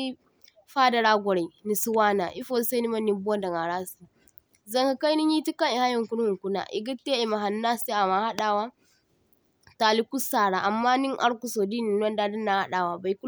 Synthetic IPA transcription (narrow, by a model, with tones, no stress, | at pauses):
i˦ | ɸaː˦dɐ˨ɾaː˦ɡʷɔ˨ɾa˨i˨ni˨si˦waː˦na̰˨ʔi˦fo˦sa˦ni˦mɐ˦nːi˦bu˦ɔ˦nda˨ŋa˨ɾaː˦si˨ | zɐ˦ŋha˨ka˦ni˦ɲi˦ti˦ka˦ŋi˨ha˦jɐ˨ŋku˦n˦hu˨ŋku˦na̰˨ʔḭ˨ɡi˦tːe˦i˨ma˨ɦa˨nːa˦se˦a˨ma˨ha˦ɗaː˨wa˦ | ta˨li˦ku˦saː˨ɾa˨ʔa˨mːaː˦ni˦ŋʔa̰˦ɾku˦so˨di˦ni˨n˦ɔ˦nda˦di˦nːa˨ha˦ɗaː˨wa˨ba˨i˨˦ku˦